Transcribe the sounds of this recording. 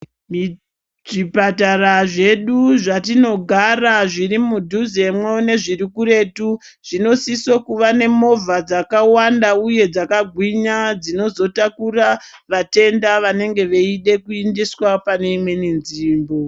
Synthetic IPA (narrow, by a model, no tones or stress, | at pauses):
ʐipataraʐe̞ɗuʐatino̞ɡʱaraʐirimudʱuze̞mwone̞ʐiɾikuɾe̞tu | ʐ̥ino̞sisokuʋane̞mo̞vad͡zakawandauje̞d͡zakaɡʱwiɲad͡zino̞zo̞takura | ʋate̞ndaʋane̞ŋɡe̞ʋeiɗe̞kuindiswapane̞imwe̞ninziːmbo̞